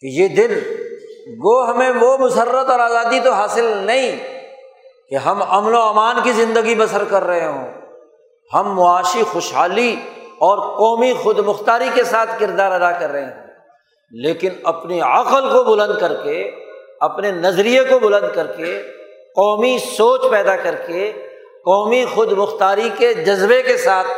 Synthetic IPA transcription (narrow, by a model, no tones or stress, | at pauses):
kejeːd̪ɪn | ɡoːɦmẽʋomʊsərːət̪ɔːɾaːzaːd̪it̪oɦaːsɪlnɐɦĩ | keɦɐmɐmnoaːmaːnkizɪ̃nd̪əɡibɐsəɾkɐɾːɐɦeɦõ̰ː | hɐmːʊaːʃixʊʃɦaːliɔːɾqɔːmixʊd̪mʊxt̪aːɾikesaːt̪ʰkɪɾd̪aːɾɐd̪akɐɾːɐɦeɦõː | leːkɪnɐpneɐqəlkobʊlə̃nd̪̚kɐɾkeɐpnenɐzɾijekobʊlə̃nd̪̚kɐɾke | qɔːmisoːt͡ʃpɛːd̪akɐɾke | qɔːmixʊd̪mʊxt̪aːɾiked͡ʒɐzbekesaːt̪̚ʰ